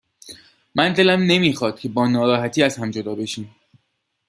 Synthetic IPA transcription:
mænd̪e̞læmne̞miːxɒːd̪̥̚cʲʰe̞bɒːnɒːɾɒːɦæt̪ʰiːæzhæmd͡ʒod̪ɒːbe̞ʃiːm

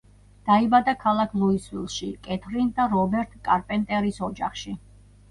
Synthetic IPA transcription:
d̪̥aibad̪akʰalˠakʰlˠuiswilˠʃikʼɛt̪ʰɾind̪aɾɔbɛɾt̪ʰʼkʼaɾpʼɛnt̪ʼɛɾisɔd͡ʒaχʃi

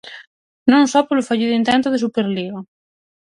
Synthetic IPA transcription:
nõŋsɔpelʊfaʎiðint̪ɛnt̪oðesupeɾliɣo

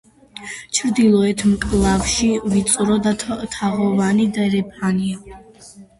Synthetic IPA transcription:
t͡ʃʰɾd̪ilˠɔɛt̪ʰmkʼlˠavʃivit̪sʼɾɔd̪at̪ʰaʁɔvanid̪aɛɾɛpʰania

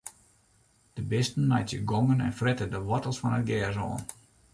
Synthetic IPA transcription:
d̥əbɪstən̩mɛjtjəɡɔŋənɛ̰nfrɪtədəʋɔtəlˠsfɔnət̚ɡɛːzo̰ːn

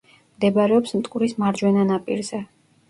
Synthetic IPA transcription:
md̪ɛbaɾɛɔpsmt̪ʼkʼuɾismaɾd͡ʒwɛnanapʼḭɾzɛ

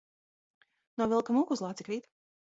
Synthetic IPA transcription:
nuɔvilˠkamukuzlˠaːt̪siklʲiːt̪

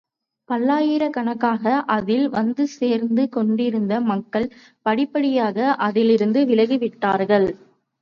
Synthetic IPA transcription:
pɐɭːaːjɪɾɐkɐɳɐkːaːɣɐʔɐðɪlʋɐnd̪ɯseːɾnd̪ɯkɔɳɖɪɾɯnd̪ɐmɐkːɐɭ | pɐɽɪpːɐɽɪjaːɣɐʔɐðɪlɪɾɯnd̪ɯʋɪlɐɣiʋɪʈːaːɾɣɐɭ

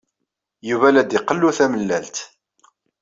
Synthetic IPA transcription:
juvælæd̪iqəlːuθæməlːælt̪

